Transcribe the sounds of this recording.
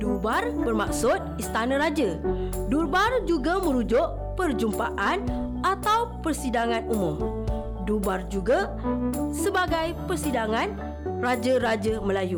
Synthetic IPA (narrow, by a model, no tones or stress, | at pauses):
dubarbərmaksʊt̪̚ist̪anə̃ɾad͡ʒə | durbard͡ʒuɡamə̃ɾud͡ʒʊʔ | pərd͡ʒumpaʔanʔat̪awpərsidaŋãnumʊ̃m | dubard͡ʒuɡa | səbaɡajpərsidaŋãn | rad͡ʒəɾad͡ʒəmə̃laju